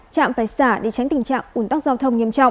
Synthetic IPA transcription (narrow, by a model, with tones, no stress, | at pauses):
t͡ɕa̰ː˧˨mfaː˧˩jsaː˧˩ɗe˧˩t͡ɕa˨˦jŋt̪i˨˩ŋ̟t͡ɕa̰ː˧˨ŋʔu˧˩nt̪a˦˥k̚zaː˧wt̪ʰə˧wŋ͡mɲi˧əmt͡ɕɔ̰˧˨wŋ͡m